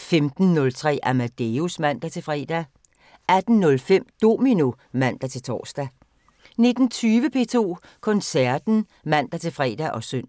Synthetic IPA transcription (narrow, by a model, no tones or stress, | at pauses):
femd̥n̩ːɔ̽lt͡sʰʁɛ̰ːʔæmæd̥eusmæn̰d̥æt͡sʰe̝lfʁɛ̰ːd̥æ | æd̥n̩ːɔ̽lfem̰d̥o̝mino | mæn̰d̥æt͡sʰe̝lt͡sʰɒ̰ːsd̥æ | ne̝d̥n̩t͡sʰyːʋəpʰe̝̰ːt͡sʰo̝̰ː | kʰɒ̽nsæɐd̥n̩ | mæn̰d̥æt͡sʰe̝lfʁɛ̰ːd̥æʔɒ̽søn̰